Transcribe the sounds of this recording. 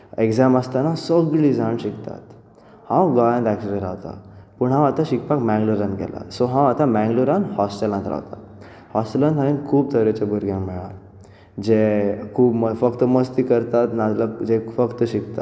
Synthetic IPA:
ekzaməst̪anasəɡɭɭid͡zʱanɕikt̪a̰t̪ | hãwɡɔjãnt̪æksəɾeɾa̰wt̪a̰puɳɦãat̪aɕikpakmɛ̃ŋɡluɾanɡɛ̰la̰sɔɦãwat̪ãmɛ̃ŋɡluɾanhɔsʈəlãnt̪ɾa̰ʋt̪a̰ | hɔsʈəlãnt̪ʰainkʰuːb̚t̪ʰəɾet͡ɕabuɾɡjãŋmɛɭa | d͡ʑekʰuːbmfəkt̪əməst̪iːkəɾt̪at̪nad͡zlad͡ʑefəkt̪əɕikt̪a̰

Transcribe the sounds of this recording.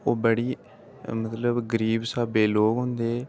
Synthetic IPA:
oːbəɽiː | mət̪ləbɡəɾiːbsaːbeːloːkɦʊ̃nd̪eː

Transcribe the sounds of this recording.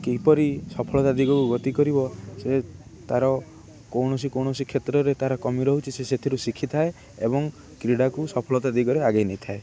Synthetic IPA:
kepɔɾisɔpʰɔlɔt̪ad̪iɡɔkuɡɔt̪ikɔɾibɔset̪aɾɔ | kowɳɔs̬ikowɳ̃ɔsikʰet̪ɾɔɾet̪aɾɔkɔmiɾɔɦut͡ʃʰiseset̪ʰiɾusikʰit̪ʰae | ebɔŋ | kɾiɽakusɔpʰɔlɔt̪ad̪iɡɔɾeaɡajnejt̪ʰae

